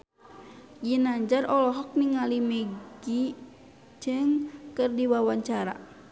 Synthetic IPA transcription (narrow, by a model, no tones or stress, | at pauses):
d͡ʒinaɲd͡ʒarʔɔlɔɦɔk̚niŋalimɛɡ̥i | d͡ʒɨŋkɨrdiwawaɲt͡ʃaɾa̰